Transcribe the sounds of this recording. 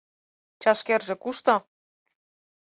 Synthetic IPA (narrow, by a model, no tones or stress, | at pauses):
t͡ɕɑʃkerʒĕkuʃt̪ŏ